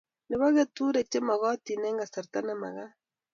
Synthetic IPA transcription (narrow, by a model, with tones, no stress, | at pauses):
ne˨βa˦ɣe˦tu˦ɾe˨t͡ʃe˦ma˨ɣɔ˦ti˨ne˦ŋɡa˨se˨ɾta˦ne˦ma̰˨ɣa˦